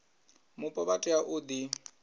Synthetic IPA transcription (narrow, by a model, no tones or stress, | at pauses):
mʊpʼɔbatʼɪaʔʊd̪i